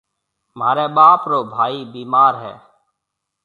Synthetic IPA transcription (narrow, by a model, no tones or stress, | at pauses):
maːɾeːɓaːpɾoːbʱaːiːbiːmaːɾɦɛ̰ː